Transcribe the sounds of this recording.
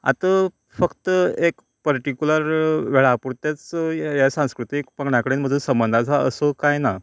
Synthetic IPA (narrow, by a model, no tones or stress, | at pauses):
a̰t̪ə | fəkt̪əek | pəɾʈikuləɾʋeɭapuɾt̪jat͡sjasãw̃skɾut̪ikpəɡɳjãkəɽeːnməd̪ʱuːnsəmbənd̪ʱat͡saəsokajna